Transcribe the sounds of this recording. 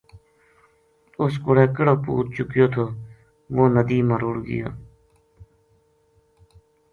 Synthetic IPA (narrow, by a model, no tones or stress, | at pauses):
ʊskʊɽeːkəɽoːpṵːɾt͡ʃʊkjoːt̪ʰoː | ʋoːnəd̪iːməɾuːɽɡɪ̰ja̰ː